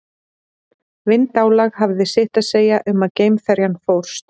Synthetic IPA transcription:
vɪnt̪aːwlaɣhavðɪsɪht̪aðseːjaʔʏmaðceːjmfɛɾjanfowr̥st̪

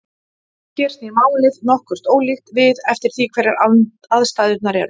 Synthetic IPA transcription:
çɛɾ̥st̪ɪmaːwlɪðnɔhkʏr̥t̪oːwlixt̪vɪðɛft̪ɪɾ̥θikʰvɛɾjaɾ | aðst̪aːðʏɾt̪naɾɛɾ

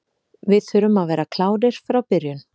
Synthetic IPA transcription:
vɪðθʏɾʏmaðvɛːɾakʰlaːwɾɪɾ̥fɾawpɪɾjʏn

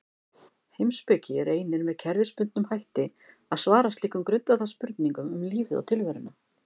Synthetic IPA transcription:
hejmspɛcɪreːjnɪɾmɛðcʰɛɾvɪspʏnt̪̚nʏmhajht̪ɪ | aðsvaːɾast̪liːkʏmkɾʏnt̪aθaspʏɾt̪niŋkʏmʏmliːvɪða̰wt̪ʰɪlvɛɾʏna

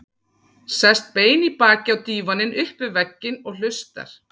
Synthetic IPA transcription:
sɛst̪̚peːjnipaːcɪawt̪iːvanɪnʔʏhpʏvɛcːɪnɔɣl̥ʏst̪a̰ɾ̥

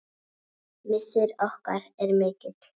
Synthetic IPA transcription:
mɪsɪɾɔhkaɾɛɾmɪːcɪt̪

